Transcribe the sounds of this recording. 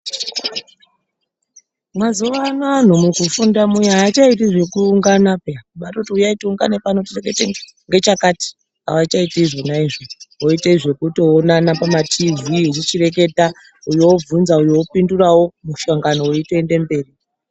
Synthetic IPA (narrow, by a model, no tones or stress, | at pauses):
mwazuʋanan̤umukufundamujaaːt͡ʃaitiʐe̞kuːŋɡanapeaɓatotiujaituuŋɡa̰nepanotit͡ʃeɡaite | ŋɡe̞t͡ʃakati̥ | a̰wat͡ʃaitiiʐo̞naiʐoɦoiteiʐe̞kuto̞ːnanapamatʰiviirit͡ʃire̞k̬e̞ta | ujowob͡vunzaujoopindurawo̞muʃaŋɡanooiteende̞mbe̞ːri